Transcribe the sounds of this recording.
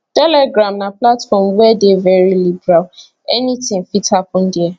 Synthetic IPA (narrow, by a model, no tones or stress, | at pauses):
tɛlɛɡɾãmnaplatfɔmwɛdevɛɹilibɛɾal | ɛnitɪ̃ŋfithapɔ̃n̩dɪɛ